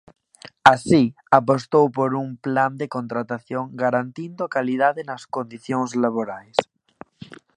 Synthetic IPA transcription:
asi | apost̪owpoɾuŋpland̪ekont̪ɾat̪aθjoŋɡaɾant̪ind̪okalið̞aðenaskond̪iθjoŋzlaβ̞oɾajs

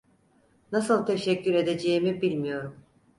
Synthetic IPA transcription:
nasɯlˠt̪ʰe̞ʃɛcːyɾe̞d̪e̞d͡ʒejimibilʲmijo̞ɾum

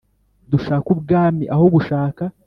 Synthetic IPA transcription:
d̪uʃaːkub̚ɡaːmiʔahoβuʃaːka

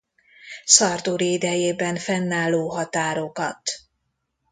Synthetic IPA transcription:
sɒrd̪uɾiid̪ɛjeːbɛɱfɛnːaːlːoːɦɒt̪aːɾokɒt̪

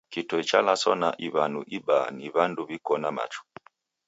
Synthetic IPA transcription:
kitɔit͡ʃalasɔna̰ʔiβanṵʔiɓaniβanduβikɔnama̰t͡ʃu̥

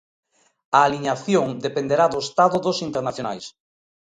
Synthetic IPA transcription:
aːliɲaθjoŋd̪epend̪eɾaðoest̪aðʊðosint̪eɾnaθjona̰js

